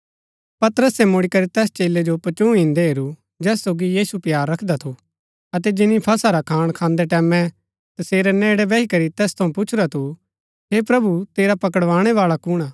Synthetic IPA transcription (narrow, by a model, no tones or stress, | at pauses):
pɐt̪ɾəsemʊɽikɐɾit̪ɛːst͡ʃeːlːed͡ʒopɐt͡ʃũɦɪ̃nd̪eɦeɾu | d͡ʒɛːsoːɡijiːsupjaːɾːɐkʰd̪at̪ʰo | ɐt̪̬ɛd͡ʒɪnipʰɐsaɾakʰaːɽ̃kʰãːnd̪ɛʈɛːmɛ̃ | t̪ɐseːɾenɛːɽɛbɛikɐɾit̪ɛːst̪ʰɐũpʊt͡ʃʰɾat̪ʰu | ɦepɾɐbut̪eːɾapɐkəɽʋãːɽ̃ɛʋaːɭakʊɽ̃aː